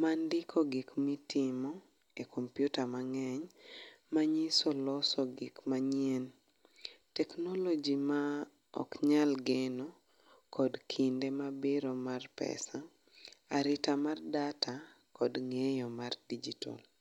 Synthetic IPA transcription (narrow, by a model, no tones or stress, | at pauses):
mandɪkʰɔɡikmitʰɪmɔ | ekʰompjutamaŋɛɲmaɲisɔlɔsɔɡɪkmaɲen | tɛknɔlod͡ʒima | ɔ̰kɲalɡeno | kɔdkʰindemabɪɾɔmarpɛ̰sa | aɾɪtamardatʰakɔdŋejɔmardid͡ʒitɔ̰l